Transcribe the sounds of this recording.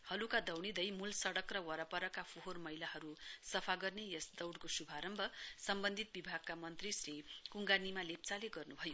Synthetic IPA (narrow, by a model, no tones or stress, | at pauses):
hʌlukad̪ʌwɽid̪ʌjmulsʌɽʌkrʌwʌɾʌpʌɾʌkapʰoɦormʌjlahʌɾusʌpʰaɡʌrnejʌsd̪ʌwɽkosubʱaɾʌmbʱʌsʌmbʌnd̪ʱit̪̚bibʱaɡ̚kamʌnt̪risrikuŋɡanimalep̚t͡saleɡʌrnubʱʌjo